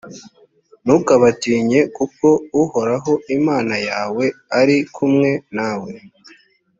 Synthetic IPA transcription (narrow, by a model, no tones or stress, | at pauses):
nukaβatiːɲe̞kuko̞uho̞ɾaɦo̞imaːnajaːwe̞aɾikʰumŋe̞naːwe